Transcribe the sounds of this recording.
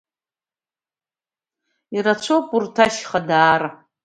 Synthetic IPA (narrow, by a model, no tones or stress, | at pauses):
irat͡ʃʷʰopʼurtʰaʃχadaːra